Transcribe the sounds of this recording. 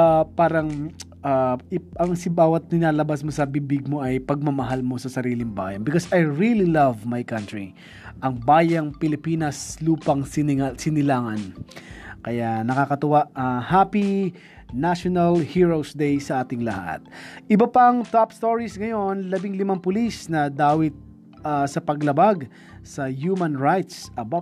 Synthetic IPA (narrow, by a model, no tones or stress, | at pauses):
apaːɾɐŋʔaʔɐŋsɪbaːwɐt̪̚nɪnaːlɐbasmosɐbibɪɡ̚mo̞ʔɐjpɐɡ̚mɐmɐɦalmo̞sɐsɐɾiːlɪŋba̰ːjɐnbɪkosɐjɹililɐvmajkɐnt̪ɹi | ʔɐŋbaːjɐŋpɪlɪpiːnɐsluːpɐŋsɪnsɪnɪlaːŋɐn | kɐjanɐkakɐt̪ʊwaʔɐhaːpi | naʃonɐlhiːɹowsd̪ejsɐʔaːt̪ɪŋlɐha̰t̪̚ʔɪbɐpɐŋt̪apst̪oɹisŋɐjo̞nlɐbiŋlɪmaŋpʊlisnɐd̪aːwɪt̪̚ | ɐsɐpɐɡlɐbaɡ | sɐjumɐnɹajt̪sɐbo